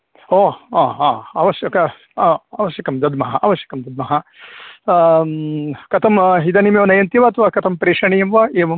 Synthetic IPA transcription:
oːaːaːaːʋɐʃjɐkɐ | aːʋɐʃjɐkɐmd̪ɐd̪mɐɦɐ̰a̰ːʋɐʃjɐ̥kɐmd̪ɐd̪̚mɐɦɐ | kɐt̪ʰɐmɦid̪ɐnimeʋɐnɐjɐnt̪iʋaːt̪ɐʋaːkɐt̪ʰɐmpɾeːʂɐɳijɐmʋɐʔeːʋɐm

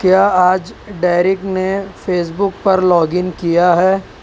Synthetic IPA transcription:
kjaːaːd͡ʒɖaːɾɪknefeːs̬bʊk̚pɐɾlɔːɡɪnkijaɦɛː

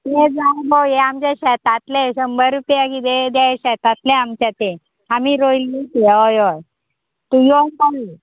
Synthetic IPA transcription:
jed͡zawbowjeamt͡ɕaɕɛt̪at̪leɕəmbəɾupjakid̪ed̪jaeɕɛt̪at̪leamt͡ɕat̪e | amiːɾoilːitjoj | t̪ujoka

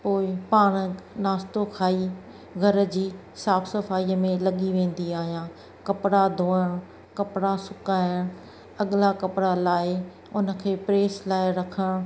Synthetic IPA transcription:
poːɪpaːɽ̃naːst̪okʰaːi | ɡʱɐɾ̆d͡ʑiː | saːfsɐfaːiəmẽlɐɠiʋẽːn̆d̪iaːɦijãː | kɐpɽad̪ʱoːəɽ̃ | kɐpɽasʊkaːɪɽ̃ | ɐɠɪlakɐpɽalaːɪ | ʊnə̆kʰeːpɾeːslaːɪɾɐkʰəɽ̃

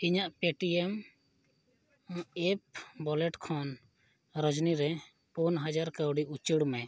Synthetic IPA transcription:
iɲaʔpeʈiɛm | ɛp̚bɔlɛʈkʰɔn | ɾəd͡ʒniɾɛ | punɦad͡ʒaɾkəwɖiʔut͡ʃiɽmɛ

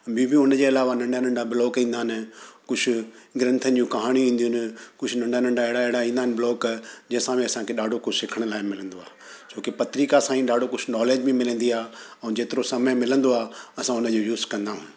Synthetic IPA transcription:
bʱibɪʊnəd͡ʑeːɐlaːʋanɐ̃ɳɖanɐ̃ɳɖabɪlɔːkĩːnd̪aːnɪ̆kʊd͡ʑʱʰʊ̆ | ɡɪɾɐ̃nt̪ʰənd͡ʑũkɐɦaːɽ̃iĩːn̆d̪ijʊnɪ̆kʊd͡ʑʰʱʊnɐ̃ɳɖanɐ̃ɳɖaeɦɪɽaeɦɪɽaĩːnd̪aːnɪbɪlɔːkd͡ʑɐ̃ɦɪ̃sãːmẽɐsãkʰeɗaːɖʱokʊsɪkʰəɽ̃laːɪmɪlə̃nd̪oaː | t͡ɕoːkepɐt̪ɪɾiːkasãːĩɗaːɖʱokʊd͡ʑʰnɔːleːd͡ʑbĩmɪlə̃n̆d̪iaːɦɛ̃ːd͡ʑeːt̪ɪɾosɐməjmɪlə̃nd̪oaːɐsãʊnəd͡ʑojuːzkɐ̃nd̪aːɦũ

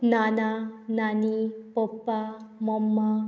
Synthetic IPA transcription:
nanananipɔpːamɔmːa

